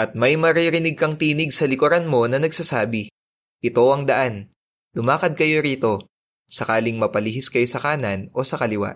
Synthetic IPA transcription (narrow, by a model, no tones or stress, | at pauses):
ʔɐt̪̚mɐjmɐɾiɾɪnɪɡ̚kɐŋt̪iːnɪɡ̚sɐlɪkoɾanmo̞nɐnɐɡsasaːbɪ | ʔɪt̪o̞ʔɐŋd̪ɐʔan | lʊmaːkɐd̪̚kɐjo̞ɾiːt̪o̞ | sɐkaːlɪŋmɐpɐliɦɪskɐjosɐkaːnɐno̞sɐkɐlɪwa̰ʔ